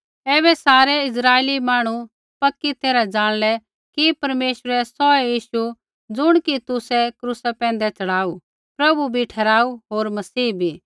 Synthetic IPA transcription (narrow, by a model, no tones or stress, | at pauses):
ɛːβɛsaːɾɛɪs̬ɾaːeːlimaːɽ̃u | pɐkːit̪eːɾad͡zaːɽ̃lɛ | kipɐɾmeːʃɾɛsɔɛjiːʃu | d͡zʊɽ̃kit̪ʊsɛkɾusapɛ̃ːnd̪ɛt͡sɐɽaːu | pɾɐbubʱiʈʰɛɾaːuɦoːɾmɐsiːbʱiː